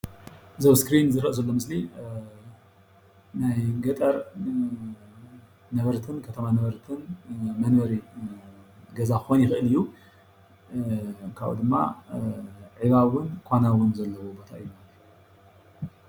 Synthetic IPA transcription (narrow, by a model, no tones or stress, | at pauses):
zɐβskɾinzɨɾʔɐzɐlːo̞mɨsli | najɡɐt̪ʼɐɾ | nɐβɐɾt̪ʰɨnkʰɐt̪ʰɐmanɐβɐɾt̪ʰɨnmɐnbɐɾi | ɡɐzaxɨxonjɪxɨʔɨlɨjːu | kʰaβʔṵd̪ɨmːa̰ | ʕiβawʊnkʷʰanawʊnzɐlːɐwobo̞t̪ʰa̰ʔɨjːumalɐt̪u